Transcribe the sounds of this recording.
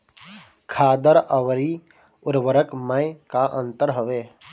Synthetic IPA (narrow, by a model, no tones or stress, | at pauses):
kʰaːd̪əɾəʋɾi | ʊɾʋəɾəkməɪkaʔə̰̃nt̪əɾɦəʋeː